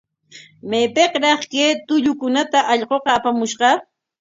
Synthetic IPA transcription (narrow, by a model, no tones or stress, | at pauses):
mepeqɾɑχkeːt̪ʊʎʊkʊnat̪aʔɑʎɢoqɑːpamʊʃɢɑ